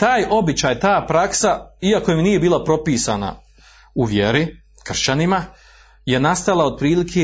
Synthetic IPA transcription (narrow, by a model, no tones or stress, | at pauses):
t̪aːjo̞bit͡ɕaːjt̪aːpɾaksaiako̞jimnije̞biːlˠapɾo̞piːsa̰ːna̰ | uʋje̞ɾi | kr̩ʃt͡ɕanima | je̞nast̪alaod̪̚pɾiːlikʰe